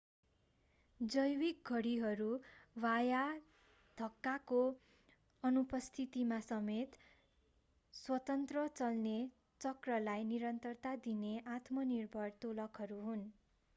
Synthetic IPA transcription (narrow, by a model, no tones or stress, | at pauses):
d͡zʌjwik̚ɡʱʌɽiɦʌɾuwaja | d̪̥ʱʌkːako | ʌnupʌst̪ʰit̪imasʌmet̪ | swʌt̪ʌnt̪rʌt͡sʌlne | t͡sʌkrʌlajniɾʌnt̪ʌrt̪ad̪ineʔat̪mʌnirbʱʌrt̪olʌkʰɦʌɾuɦun